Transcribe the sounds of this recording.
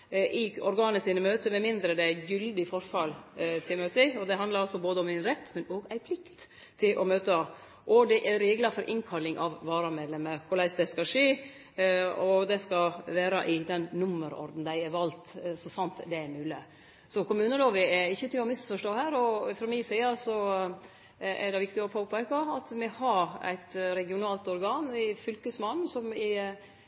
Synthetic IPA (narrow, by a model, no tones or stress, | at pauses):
ʔɪɔɾɡɑːnəsiːnəmøːt̪əmɛmɪnd̪ɾəd̪ɛjʏld̪ɪfɔɾfɑlt̪ʰɪlmøːt̪ɪɔd̪ɛɦɑnd̪ɑɾɔsɔboːd̪əɔmɪnɾɛt̪ːmɛnoːɡæɪpʰlɪkt̪ʰː | ɪlʔɔmøːt̪ə | ʔɔd̪ɛʔɛɾeːɡlɑfɔɾʔɪŋkʰɑlːɪŋʔɑʋʋɑːɾɑmeːd̪lɛməkʰʊɾɭæɪsd̪ɛskɑʂeː | ɔd̪ɛskɑʋæːɾɑʔɪd̪ɛnːʊmːəɾɔ̰ɾd̪n̩d̪æɪæʋɑlt̪sɔsɑnt̪d̪ɛæɾmʉːlɪ | sɔkʰʊmʉːnəloːʋəɛɪçːət̪ɪlɔmɪsfɔʂʈoːhæːɾɔfɾɔmisiːɑsɔ | ʔɛ̰ɖɛʋɪkt̪ɪɔpʰoːpʰæɪkɑɑt̪mɛhɑɾæ̰ɪt̪ɾɛɡɪʊnɑːlt̪ɔɾɡɑːnɪfʏlkəsmɑnsɔmɪ